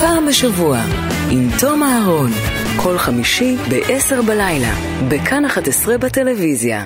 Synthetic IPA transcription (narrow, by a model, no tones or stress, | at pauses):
paːmbeʃavua | imto̞maɦaʁo̞n | kʰo̞lχamiʃibeʔese̞ʁbalajla̰ | bekʰanaχatesʁebate̞levizja̰